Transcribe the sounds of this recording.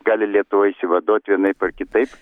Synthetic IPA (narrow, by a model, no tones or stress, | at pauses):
ɡɑːlʲɪlʲiɛt̪ʊʋoːisʲɪʋɐd̪oːt̪ʲʋʲiɛnɐɪpɐrkʲɪt̪ɐɪp